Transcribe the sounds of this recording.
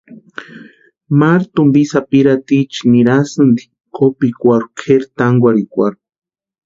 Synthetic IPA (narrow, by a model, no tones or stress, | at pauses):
maɾt̪umbisapiɾat̪it͡ʃi̥niɾasɨnd̪i̥ | kopikʷaɾukʰeɾt̪aŋɡʷaɾikʷaɾu̥